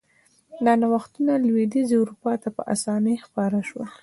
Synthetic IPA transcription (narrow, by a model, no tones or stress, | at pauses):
nanawaxt̪unalwed̪izewɾupɑt̪apə̰ʔa̰sɑnəjxpɑɾaʃwə